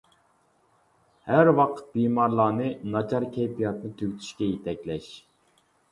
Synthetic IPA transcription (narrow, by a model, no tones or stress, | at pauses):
hæɾwɑqʰə̥t̪̚biːmɑɾlˠɑːnɨnɑt͡ʃʰɑɾkʲʰejpijɑt̪nɨt̪ʰøɡʲt̪ʰy̥ʃkʲɛjet̪ʰɛkʲlɛʃ